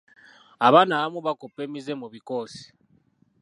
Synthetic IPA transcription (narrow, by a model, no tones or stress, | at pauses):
aβanaamuβakopemizemuβikoːsi̥